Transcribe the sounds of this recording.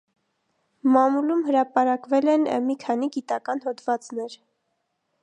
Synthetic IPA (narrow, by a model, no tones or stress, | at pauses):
mɑmulumɦəɾɑpɑɾɑkvɛlɛnmikʰɑn̪iɡit̪ɑkɑnɦɔt̪vɑt͡snɛɾ